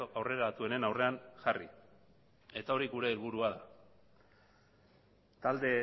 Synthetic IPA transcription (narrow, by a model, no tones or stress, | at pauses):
awre̞ɾat̪ue̞ne̞nawre̞anʝarḭ | e̞t̪ao̞ɾiɣuɾe̞ːlβuɾuaða | t̪ald̪e̞